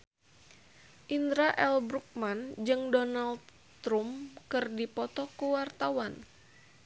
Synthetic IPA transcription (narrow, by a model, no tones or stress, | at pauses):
ʔind̪ɾaʔɛlbɾuk̚mand͡ʒɨŋdɔnald̪ | t̪ɾumkɨrdipɔt̪ɔkuwart̪awan